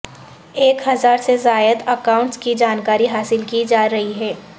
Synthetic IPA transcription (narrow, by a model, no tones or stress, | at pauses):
eːkɦɐzaːɾsezaːjəd̪əkaːʊ̃ɳʈskid͡ʒaːnkaːɾiɦaːsɪlkid͡ʒaːɾɐɦiɦɛː